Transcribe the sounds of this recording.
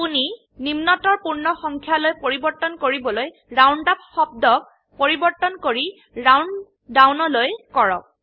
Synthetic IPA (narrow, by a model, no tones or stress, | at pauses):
puni | nimnɔtɔɹpuɹnɔxɔŋkʰjalojpoɹibɔɹtːɔnkoɹibɔloj | ɹawnɖap̚xɔb̚dɔk̚ | poɹibɔɹtːɔnkoɹi | ɹawn | dawnɔlojkɔɹɔ̰k̚